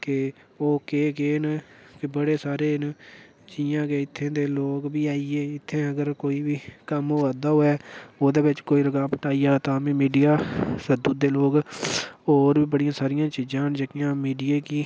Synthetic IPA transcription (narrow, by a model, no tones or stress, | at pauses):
kɪ | oːkeːɡeːnkɪbəɽeːsaːɾeːn | d͡ʒiːãːɡeːɪt̪ʰːẽːd̪eːloːkbiːaːieːɪt̪ʰːẽːəɡəɾkoːiːʋiːkəmoːaːd̪aːɦoːɛːoːd̪eːbɪt͡ʃkoːiːɾəɡaːpəʈaːiːaːt̪ãːmẽːmiːɖijaːsəd̪uːd̪eːloːk | oːɾbiːbəɽɪjãːsaːɾɪjãːt͡ʃiːd͡ʒãːnd͡ʒəkɪjãːmiːɖijeːkiː